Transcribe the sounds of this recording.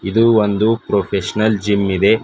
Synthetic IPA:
id̪uond̪upɾopʰeʃɐnɐld͡ʒimːid̪e̞

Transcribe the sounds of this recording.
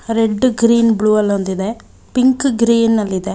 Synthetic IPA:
ɾeɖːɡɾiːnbɭuːɐlɐnd̪id̪e | piŋkɡɾiːnɐlːid̪e

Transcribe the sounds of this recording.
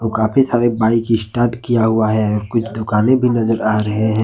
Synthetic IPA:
okaːpʰisaːɾebaːɪkiɪsʈaːɾʈkijaɦuaɦɛɔːɾkʊt͡ʃʰd̪ʊkaːnẽbʱinɐzəɾaːɾɐɦeɦɛ̃ː

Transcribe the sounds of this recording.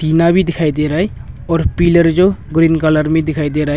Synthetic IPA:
t̪iːnabʱid̪ɪkʰaid̪eɾəɦe | ɔːɾpiləɾd͡ʒoɡɾinkələɾmẽd̪ɪkʰaːid̪eɾəɦ

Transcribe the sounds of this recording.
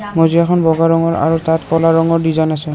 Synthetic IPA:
mɔziakʰɔnbɔɡaɹɔŋɔɹa̰ɹutatpɔlaɹɔŋɔɹdizanasɛ

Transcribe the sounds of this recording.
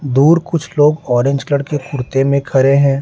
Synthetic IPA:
d̪uːɾkʊt͡ʃʰloːɡɔːɾẽɲd͡ʒkləɽkekʊɾt̪emẽkʰɐɾeɦɛ̃ː

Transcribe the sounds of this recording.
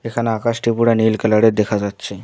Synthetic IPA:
ekʰanakasʈipuɽanilkəlaɽet̪d̪ekʰad͡zat̪ːɕʰe

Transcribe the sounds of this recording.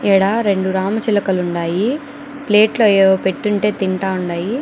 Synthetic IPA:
ɛːɽaːɾe̞ɳɖuɾaːmɐt͡ʃilɐkɐluɳɖaːji | pleːʈlo̞ːɛːʋɐpe̞ʈːuɳʈe̞ːt̪iɳʈaːuɳɖaːji

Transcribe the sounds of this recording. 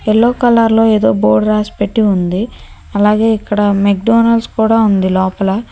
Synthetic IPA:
elːoːkɐlaːɾlo̞ːe̞ːd̪o̞ːboːɾɖɾaːspe̞ʈːiund̪i | ɐlaːɡe̞ːikːɐɽɐmek̚ɖoːnɐlskuːɽaːund̪ilɔːpɐlɐ

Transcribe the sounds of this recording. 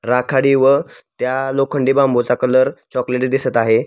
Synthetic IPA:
ɾakʰaɽiʋət̪jalokʰəɳɖiːbambʱot͡sakələɾt͡ɕɔkleʈd̪isət̪aɦe

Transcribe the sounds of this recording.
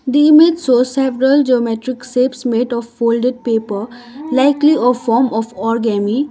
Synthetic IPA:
d̪iːmed͡ʒsosɛbɾəld͡ʒeomeʈɾɪksepsmeːʈɔfːoːlɖeɖ̚peːpəɾ | laɪkliɔfɔːɾmɔfɔɾɡɛmi

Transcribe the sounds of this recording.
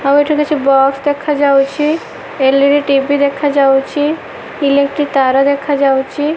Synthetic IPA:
aweʈʰuket͡ʃʰibɔksd̪ekʰad͡ʒawt͡ʃʰi | elːiɾiʈibid̪ekʰad͡ʒawt͡ʃʰi | ilekʈɾit̪aɾad̪ekʰad͡ʒawt͡ʃʰi

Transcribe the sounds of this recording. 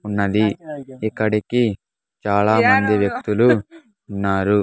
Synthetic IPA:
unːɐd̪iikːɐɽiki | t͡ʃaːlaːmɐnd̪iʋjɐk̚t̪uluː | nːaːɾu

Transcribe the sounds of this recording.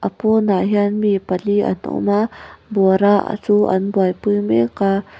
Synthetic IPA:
ʔɐponaɦjanmipalia̰nṵmaboɾa̰t͡sua̰nbuajpujmeka

